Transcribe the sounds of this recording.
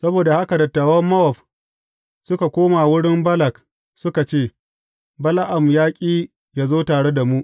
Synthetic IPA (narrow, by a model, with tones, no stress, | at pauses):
sɐ˦boː˨da˨ha˦ka˨dɐ˨tːaː˨wɐ˦mːɐ˦ʔɔ˨ɸ | sʊ˦ka˨kʷoː˦ma˨wʊ˦ɽɪ˦mbɐ˦lɐ˨k | sʊ˦ka˨t͡ʃeː˦˨ | bɐ˦la˦ʔa˨mjaː˦kʲʼiː˦ | jaː˦zoː˦taː˨ɽe˦da˨mu˦ʔ